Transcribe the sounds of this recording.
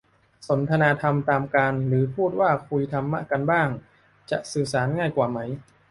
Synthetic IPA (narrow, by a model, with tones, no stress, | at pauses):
so˩˦nt̪ʰa˧naː˧t̪ʰa˧mt̪aː˧mkaː˧nɾɯː˩˦pʰuː˥˩t̪̚waː˥˩kʰu˧jt̪ʰa˧mːa̰˦˥˩ka˧nbaː˥˩ŋ | t͡ɕa˨˩ʔsɯː˨˩saː˩˦nŋaː˥˩jkwaː˨˩ma˦˥j